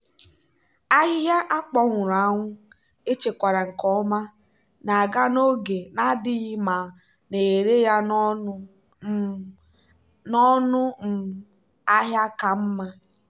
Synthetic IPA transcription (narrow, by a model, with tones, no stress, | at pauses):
a˦ɦɪ˦ja˦ʔa˦k͡pɔ˦ŋʷʊ˨ɾa˨˦ŋʷʊ˦ | e˦t͡ʃe˨kʷa˨ɾa˨ŋ̩˨kɔ˦ma˦ | na˨a˨ɡa˦no˦ɡe˨na˦dɪ˦ɣɪ˦ma˨ | ne˨e˨ɾe˦ja˦n˦ | nɔ˦nʊ˦m̩˨ | a˦ɦja˦ka˨m̩˦ma˦